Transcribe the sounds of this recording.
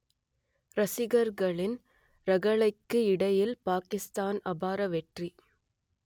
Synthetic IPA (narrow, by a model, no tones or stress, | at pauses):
ɾɐsɪɣɐɾɣɐɭɪn | ɾɐɣɐɭɐɪkːɯɪɽɐjɪlpaːkɪst̪aːnɐbaːɾɐʋɛʈri